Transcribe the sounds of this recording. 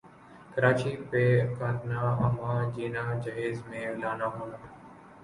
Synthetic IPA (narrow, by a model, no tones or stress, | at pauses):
kəɾaːt͡ʃiːpeːkaːt̪naːəmãːd͡ʒiːnaːd͡ʒəɦeːzmẽːʋlaːnaːɦõːnaː